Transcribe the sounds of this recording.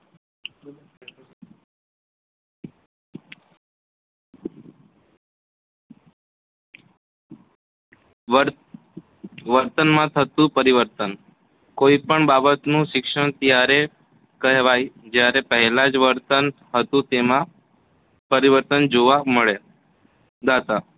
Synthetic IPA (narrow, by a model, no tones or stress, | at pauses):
ʋəɾt̪ənmãt̪ʰət̪ũpəɾiʋəɾt̪ən | koipəɳbabət̪nũʃɪkʂəɳ̃t̪ijaɾe | kəɦʋajd͡ʒjaɾepəɦɛlãd͡ʒʋəɾt̪ənɦət̪ũt̪emã | pəɾiʋəɾt̪ənd͡ʒoʋaməɭe | d̪at̪a